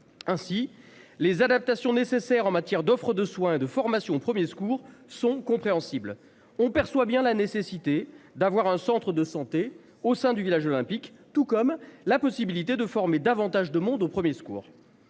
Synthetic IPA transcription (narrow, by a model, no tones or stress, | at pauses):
ɛ̃silezad̪ap̚t̪asjɔ̃nesesɛʁɑ̃mat̪jɛʁd̪ɔfχəd̪əswɛ̃ed̪əfɔʁmasjɔ̃opχəmjeskuʁsɔ̃kɔ̃pχeɑ̃sibl | ɔ̃pɛʁswabjɛ̃lanesesit̪ed̪avwaʁɛ̃sɑ̃t̪χəd̪əsɑ̃t̪e | osɛ̃d̪yvilaʒɔlɛ̃pikt̪ukɔmlapɔsibilit̪ed̪əfɔʁmed̪avɑ̃t̪aʒd̪əmɔ̃d̪opχəmjeskṵːʁ